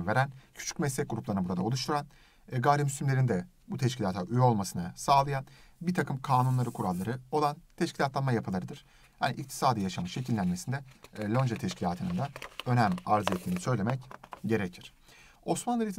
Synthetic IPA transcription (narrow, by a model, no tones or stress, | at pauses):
ve̞ɾæncʰy̥t͡ʃʰy̥cmɛslʲɛc̚ɡuɾuplˠaɾnabuɾad̪aolˠuʃt̪ʰuɾan | ɡaɾimyslʲymlʲe̞ɾind̪ɛ | but̪ʰɛʃcilʲaːt̪ʰaʔyjo̞lˠmasɯnɯsaːlˠajanbiɾt̪ʰakʰɯmkʰaːnunlˠaɾɯkʰuɾalˠːaɾɯo̞lˠant̪ʰɛʃcʰilʲat̪lˠanmajapʰɯlˠaɾɯd̪ɯɾ̥ | ha̰niʔic̚t̪ʰi̥saːd̪ijaʃamaʃe̞cʰilʲːænme̞sind̪ɛlʲˠond͡ʒat̪ʰɛʃcʰilʲaːt̪ʰɯnɯnd̪aø̞næmaɾzɯet̪lʲːiːnisø̞jlʲe̞mɛcɟe̞ɾecʰiɾ̥ | o̞smanlˠɯɾit̪ʰi